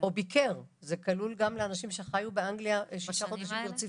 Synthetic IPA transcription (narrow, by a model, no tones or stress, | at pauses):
obikʰeʁ | zekalulɡamleanaʃimʃeχajubeaŋɡliaʃaʃaχo̞d̪aʃimiʁt͡si